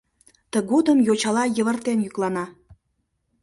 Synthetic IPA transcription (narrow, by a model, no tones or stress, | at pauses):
t̪əɡod̪əmjot͡ɕɑlɑjəβərt̪enjyklɑnɑ